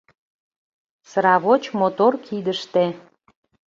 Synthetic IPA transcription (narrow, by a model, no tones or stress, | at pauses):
səɾɑβot͡ɕmot̪orkʰid̪əʃt̪e